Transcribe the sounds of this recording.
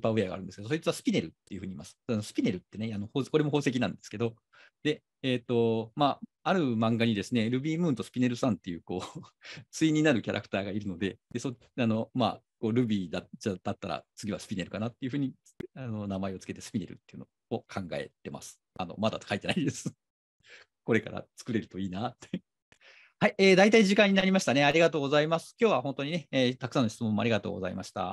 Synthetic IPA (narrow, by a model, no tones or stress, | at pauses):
paeaɡa̰ɾɯ̟nd̪esked̪soit͡sɨβasɨ̥pʲine̞ɾɯ̟t̪ːe̞jiɯ̟ɸɯ̟ɲiːmasɨ̥nosɨ̥pʲine̞ɾɯ̟t̪ːe̞neano̞hoːko̞ɾe̞moɦo̞ːse̞k̬ʲinãnd̪e̞sɨ̥ke̞d̪o̞ | d̪e̞ | eːt̪ːo̞maːaɾɯ̟mãŋɡaɲ̟id̪e̞sɨne̞ɾɯ̟bʲiːmɯ̟ːnt̪o̞sɨ̥pʲine̞ɾɯ̟sãnt̪ːe̞jɯ̟ːko̞ːt͡sɨiɲ̟inaɾɯ̟kʲaɾʔa̰kɯ̟̥t̪aːɡaiɾɯ̟no̞d̪e̞d̪̥e̞so | ano̞ma̰ | ko̞ːɾɯ̟bʲiːd̪aad̪̥at̪ːaɾa̰t͡sɨɡʲiβasɨ̥pʲine̞ɾɯ̟kanat̪ːe̞iɯ̟ɸɯ̟ːɲ̟i | ano̞namaeo̞t͡sɨ̥ke̞t̪e̞sɨ̥pʲine̞ɾɯ̰t̪ːe̞jiɯ̟no̞ | okʰãŋɡa̰e̞̰t̪e̞ma̰sɨ̥ | ano̞̰mad̪at̪kait̪e̞naid̪e̞sɨ̥ | ko̞ɾe̞ka̰ɾa̰t͡sɨ̥kɯ̟ɾe̞ɾɯ̟t̪o̞iːnat̪ːe | haieːd̪ait̪aiʑikãɲ̟ːinaɾʲimaɕi̥t̪ane̞aɾʲiɡat̪o̞ːɡo̞zaimasɨ̥kʲo̞ːβaɦõ̞nt̪o̞ɲ̟ine̞eːt̪akɯ̥sãno̞çi̥t͡sɨmõmːaɾʲiɡat̪o̞̰ːɡo̞zaimaɕi̥t̪a̰